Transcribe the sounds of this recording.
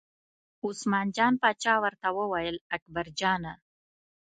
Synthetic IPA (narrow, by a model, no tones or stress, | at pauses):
ʊsmɑnd͡ʒɑnpɑt͡ʃɑwəɾt̪awəwajəlak̚baɾd͡ʒɑna